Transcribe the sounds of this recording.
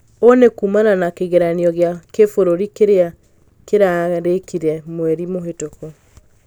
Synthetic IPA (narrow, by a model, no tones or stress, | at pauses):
onekuːmananakeɣeɾaniɔɣeakefoɾoɾikeɾea | keɾaɾekiɾɛmwɛɾimoɦetoko